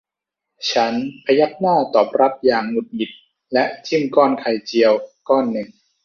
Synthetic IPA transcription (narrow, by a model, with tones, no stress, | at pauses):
t͡ɕʰa˦˥npʰa˧ja˦˥k̚naː˥˩t̪ɔː˨˩p̚ɾa˦˥p̚jaː˨˩ŋːu˨˩t̪̚mi˨˩t̪̚ | lɛ˦˥ʔt͡ɕi˥˩mkɔː˥˩nkʰa˧jt͡ɕi˧əwkɔː˥˩nːɯ˨˩ŋ